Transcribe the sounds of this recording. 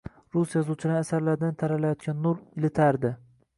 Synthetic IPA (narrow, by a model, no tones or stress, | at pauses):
ɾusjazut͡ʃʰɪlaɾasaɾlaɾd̪ant̪ʰaɾalajɒt̪̚kʲanːʊɾɪlɪt̪ʰaɾd̪ɪ